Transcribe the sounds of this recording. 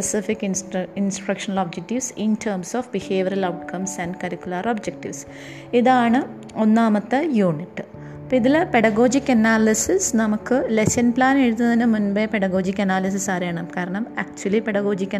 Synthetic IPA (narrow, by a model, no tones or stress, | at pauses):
esifikːinsʈrɐkʂɐnɐloːb̚d͡ʑek̚ʈiʋsintʰɐːɾmsoːfbiheːʋɐɾɐlɐwʈkʰɐmsɐnɖkɐɾikʲːulɐrobd͡ʑek̚ʈiʋs | iðaːɳɨ | onːaːmɐt̪ːɐjuːɳiʈːɨ | piðilpe̞ɽɐɣo̞ːd͡ʑikːɐnaːlisisnɐmukːɨleɕɐnplaːneɻut̪̬ːunɐðinɨmunbepeɽɐɣo̞ːd͡ʑikʲːɐnaːlis̬isaːɾejaːɳɨmkaːɾɐɳɐmɐk̚t͡ɕuɐlipeɽɐɣo̞ːd͡ʑikʲːɐ